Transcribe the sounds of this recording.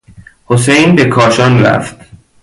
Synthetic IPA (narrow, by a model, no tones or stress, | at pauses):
ho̞sejnbe̞kʰɒːʃɒːnɾæ̰ft̪